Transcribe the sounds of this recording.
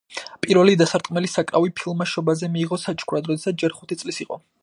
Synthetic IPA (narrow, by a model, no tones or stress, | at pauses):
pʼiɾvɛlid̪asaɾt̪ʼqʼmɛlisakʼɾavipʰilˠmaʃɔbazɛmiːʁɔsat͡ʃʰʼkʰuɾad̪ɾɔd̪ɛsat̪̚ʰd͡ʒɛɾχu̥t̪ʰit̪sʼlisiqʼɔ